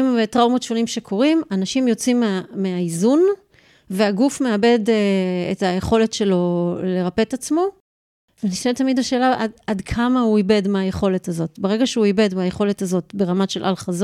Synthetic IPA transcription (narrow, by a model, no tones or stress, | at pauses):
mvetʁaumot̪ʃonimʃekʰo̞ʁimanaʃimjo̞t͡simeameaizun | veaɡufme̞abe̞deetajeχo̞le̞tʃe̞lo̞le̞ʁape̞t̪at͡smo̞ | veniʃnet̪amidaʃe̞ːlaʔadadkʰamahuibe̞dmeajeχo̞le̞tazo̞tbeʁeɡaʃeuibe̞dmeajeχo̞le̞tazo̞tbe̞ʁamaʃelʔa̰lχaz